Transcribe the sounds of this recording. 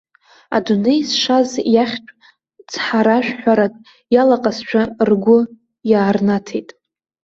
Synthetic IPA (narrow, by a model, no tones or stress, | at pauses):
a̰dune̞jsʂazjaχʲt͡ʃʷʼ | t͡sʰħaɾaʃᶣħʷᶣaɾatʼ | jalaqʼast͡ʃʷʰarɡʷʊ | jaːrnatʰejtʼ